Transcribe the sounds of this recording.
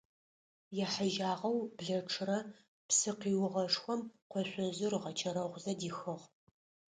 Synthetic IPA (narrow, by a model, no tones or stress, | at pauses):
jɛħaʒaːʁɐwbɮɐʈ͡ʂʰʼɨrɐ | psɨqiːwʁɐʂxʷɔmqʷɔɕʷʼɔzɨrʁɐt͡ʃʰɐɾɐʁʷzɐdiːxɐʁ